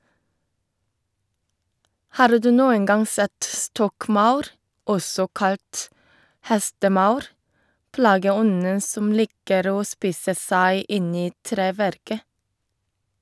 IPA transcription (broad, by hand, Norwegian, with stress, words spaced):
ˈhɑːɾ ˈdʉː ˈnuːən ˈɡɑŋ ˈsɛt ˈstɔkˌmɑʉɾ ˈɔsɔ ˈkɑlt ˈhɛstəˌmɑʉɾ ˈplɑːɡəˌɔnə ˈsɔm ˈlɪkəɾ ˈoː ˈspiːsə ˈsæɪ ˈɪn ˈiː ˈtɾeːˌʋæɾkə